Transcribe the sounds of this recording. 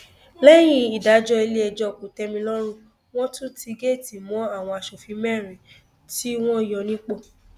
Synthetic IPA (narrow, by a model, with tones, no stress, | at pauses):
lɛ˦j̃ĩ˦˧i˨da˨˦d͡ʒɔ˧e˧le˦ɛ˧d͡ʒɔ˦˨k͡po˨tɛ˧˦mĩ˧lɔ˦ɾ̃ũ˦˨ | w̃ɔ̃˦tũ˦ti˧ɡe˦˨ti˨mɔ̃˨˦a˦˨w̃ɔ̃˧a˧ʃo˨fi˨˧˦mɛ˦˨ɾ̃ĩ˨ | ti˦w̃ɔ̃˦i˨jɔ˧nĩ˦k͡po˦˨